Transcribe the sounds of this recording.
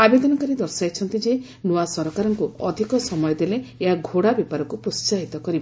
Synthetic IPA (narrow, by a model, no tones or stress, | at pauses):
abed̪ɔnɔkaɾid̪ɔɾsajt͡ʃʰɔnt̪id͡ʒe | noasɔɾɔkaɾɔŋkuɔd̪ʱikɔsɔmɔjɔd̪eleeɦaɡʱoɽabjepaɾɔkupɾost͡ʃaɦit̪ɔkɔɾiba